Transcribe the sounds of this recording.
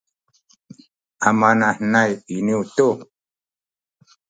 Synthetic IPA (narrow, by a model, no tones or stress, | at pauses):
amanahnajiniuto